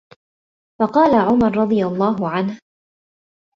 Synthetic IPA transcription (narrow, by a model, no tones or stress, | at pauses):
fɑqɑːlaʕʊmɑɾˤɾˤɑd̪ˤɨjalˤːɑːɦʊʕanh